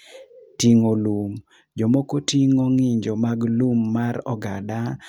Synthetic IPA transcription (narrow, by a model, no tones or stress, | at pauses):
tiŋolum | d͡ʒɔmokotiŋɔŋɪɲd͡ʒɔmaɡlumːaɾɔ̰ɡada